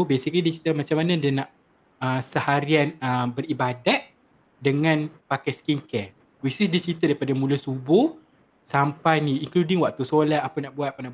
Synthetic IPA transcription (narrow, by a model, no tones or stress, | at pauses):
besik̚nidiət͡ʃɾit̪amat͡ʃamanãdanãʔ | əsəhaɾianəmbəɾibadaʔ̪̚ | dəŋãnpakajskiŋkɛ | wisisdiət͡ʃɾit̪adaipadamũləsubʊ | sampajniiŋkludiŋwaʔ̚t̪usolat̪apanãʔbuat̪̚apanaʔ